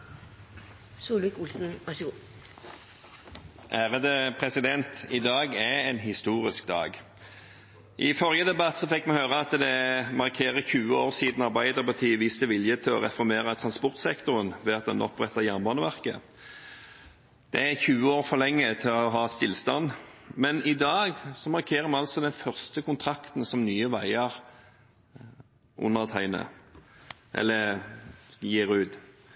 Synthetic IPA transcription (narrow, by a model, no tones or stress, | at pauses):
suːlʋɪkʊlsn̩ʋæʂəɡuː | ʔæːʁəd̪əpʰʁɛsɪd̪ɛnt̪ɪd̪ɑːɡæɛɪnɦɪst̪uːʁɪskd̪ɑ̰ːɡ | ʔɪfɔʁjəd̪ɛbɑt̪sɔfɛkːmɛhøːʁəɑt̪d̪ɛmɑʁkʰeːʁəçʉːəoːʁsiːd̪n̩ɑʁbæɪd̪əʁpɑt̪ʰiːʋiːst̪əʋɪljət̪ʰɪlɔ̰ʁɛ̰fɔɾmeːɾət̪ʰʁɑnspɔʁt̪sɛkt̪ʊʁənʋɛːɑt̪̚d̪ɛnʔɔpːʁɛt̪ːɑjæʁnbɑnəʋæʁkə̰ | d̪̥ɛæçʉːəoːʁfɔlɛŋːət̪ʰɪlɔɦɑːst̪ɪlst̪ɑnːmɛnɪd̪ɑːɡsɔmɑʁkʰeːʁəmɑnɑlsɔd̪ɛnfœʁst̪əkʰʊnt̪ʰɾɑkt̪n̩sɔmnyːəʋæɪəʁ | ʔʊ̰nːəʁt̪ʰæɪnə̰ | ʔɛ̰lːə | jiːɾʉːd̪